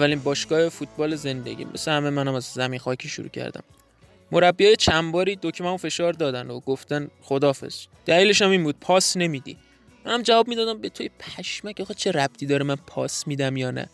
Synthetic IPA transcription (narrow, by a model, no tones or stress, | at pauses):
æliːnbɒːʃɡɒːhefut̪̚ʰbɒːleze̞nd̪eɟḭːmḛsæhæmemænæmæzːæmiːnxɒːcʰiːʃṵɾṵːcʰæ̰ɾd̪æ̰mː | oɾæbːijɒːjet͡ʃʰæmbɒːɾiːd̪ocʰmæufe̞ʃɒːɾd̪ɒːd̪ænd̪oɡoft̪ænxo̞d̪ɒːfe̞̰z̥d̪̥æliːle̞ʃæmiːnbuːd̪̥̚pʰɒːsne̞miːd̪ḭ | mænhæmd͡ʒævɒːb̚miːd̪ɒːd̪æmbe̞t̪ʰojepʰæʃmæcɒχet͡ʃʰe̞ɾæb̥̚t̪ʰiːd̪ɒːɾemænpʰɒ̰ːsmiːd̪æmjɒːnæ̰